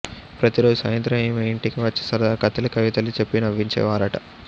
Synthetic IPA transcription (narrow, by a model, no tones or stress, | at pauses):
pɾɐt̪iɾoːd͡ʒusɐːjɐnt̪ɾɐmimeiɳʈikiʋɐt͡ʃːi̥sɐɾd̪aːkɐt̪ɐlɐkɐʋit̪ɐlit͡ʃepːinɐʋːiɲt͡ʃɛ̰ːʋaːɾɐʈɐ